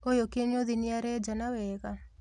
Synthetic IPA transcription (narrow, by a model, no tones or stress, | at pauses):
ojokeɲoðinɪaɾɛd͡ʒanawɛɣa